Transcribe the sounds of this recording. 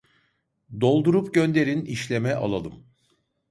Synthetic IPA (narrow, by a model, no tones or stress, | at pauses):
d̪o̞lˠd̪uɾupɟø̞nd̪e̞ɾiniʃlʲemɛʔa̰lˠalˠɯm